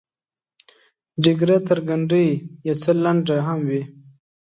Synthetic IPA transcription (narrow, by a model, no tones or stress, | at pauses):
ɖiɡɾat̪əɾɡaɳɖəjjawt͡səlaɳɖaɦamwi